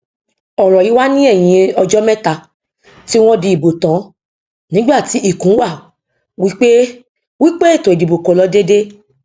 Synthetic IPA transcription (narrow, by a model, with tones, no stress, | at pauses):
ɔ˨ɾ̃ɔ̃˨i˨˦wa˦nĩ˦ɛ˦˨j̃ĩ˧ɔ˧d͡ʒɔ˦mɛ̃˦ta˧ | ti˦w̃ɔ̃˦di˧i˨bo˨tã˨˦ | nĩ˨˦ɡ͡ba˦˨ti˨˦ʔi˦˨kũ˨˦wa˦˨ | wi˦k͡pe˦ | wi˦k͡pe˦e˦˨to˨di˨bo˨ko˨lɔ˧˦de˦de˦